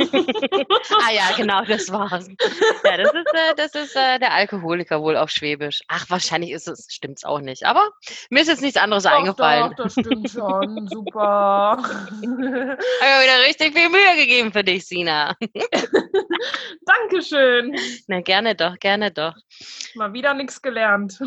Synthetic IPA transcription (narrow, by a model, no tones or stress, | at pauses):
aːjaːɡənaʊd̥asv̥aːɐsjaːdasɪstʔɛːdasɪstʔɛːdeːɐʔalkoɦoːlɪkɐvoːla̰ʊfʃv̥eːbɪʃʔaχv̥aːɐʃaɪnlɪçɪstɛsʃtɪmtsa̰ʊxnɪçtʔa̰ːbɐmiːɐɪstjɛt͡snɪçtt͡sʔandəʁəs̬ʔaɪnɡəfalənd̥astɪmtʃonzuːpɐ | ammviːdɐʁɪçtɪçfiːlmyːəɡəɡeːbm̩fyːɐdɪçz̥iːna | d̥aŋkəʃøːnnaɡɛɐnədɔχɡ̥ɛɐnədɔχ | maːlviːdɐnɪksɡ̥əlɛɐnt